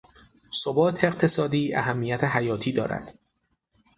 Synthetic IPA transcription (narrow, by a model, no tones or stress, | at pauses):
sobɒːt̪ʰeeqt̪ʰe̞sɒːd̪iːæ̰ɦæmːijæt̪ʰeɦæjɒːt̪ʰiːd̪ɒ̰ːɾæ̰d̪̥